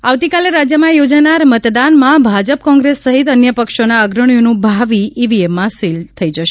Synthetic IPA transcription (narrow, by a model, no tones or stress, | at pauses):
aʋt̪ikaleɾad͡ʒjəmãjod͡ʒanaɾmət̪d̪anmãbʱad͡ʒəp̚kɔ̃ŋɡɾesːəɦit̪ənjəpəkʃonaəɡɾəɽ̃jonũbʱaʋiiʋiemːãsilt̪ʰəid͡ʒəʃe